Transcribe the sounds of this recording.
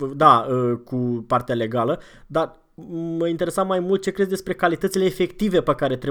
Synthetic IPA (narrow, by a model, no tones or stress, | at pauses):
d̪aəkupart̪eale̞ɡalə | d̪ar | məint̪e̞ɾesamːajmult̪̚t͡ʃe̞kɾesd̪e̞spɾe̞kalit̪ət̪sile̞ːfe̞kt̪ive̞pəkaɾe̞t̪ɾe